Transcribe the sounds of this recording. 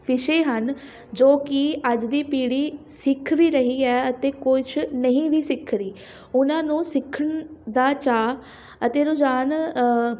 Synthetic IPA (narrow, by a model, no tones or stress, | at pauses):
pɪʃeːɦən | d͡ʒoːkɪəd͡ʒd̪iːpiːɽiːsɪkʰʋiːɾəɦiːɛːət̪eːkʊɪt͡ʃʰnəɦĩːʋiːsɪkʰɾiː | ʊnãːnũːsɪkʰəɳd̪aːt͡ʃaː | ət̪eːɾoːd͡ʒaːn